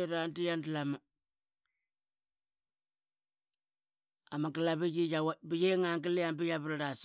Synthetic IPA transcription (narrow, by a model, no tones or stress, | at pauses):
eɾantijandlama | amakilabid͡ʒijawabijeŋaŋk̬ilɪjambijabɾɾas